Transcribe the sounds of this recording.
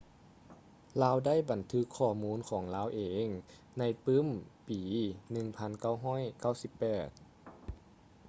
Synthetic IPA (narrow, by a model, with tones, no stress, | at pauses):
laː˧˥wda˥˩˨jba˨˩nt̪ʰɯ˧˦˥kʰːɔː˧˩muː˧˥˨nkʰɔː˩˦ŋlaː˧˥˨wʔeː˨˦ŋ | na˧˥jpɯː˧˥˨mpiː˩˦nɯ˨˩ŋpʰa˧˥˨nka˥˩wɦɔː˥˨jka˥˩wsi˧˦pːɛː˨˩t̪̚